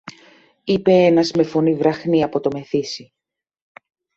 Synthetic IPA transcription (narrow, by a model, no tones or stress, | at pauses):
ipe̞enɐzme̞fo̞nivɾɐxniɐpo̞t̪o̞me̞θisi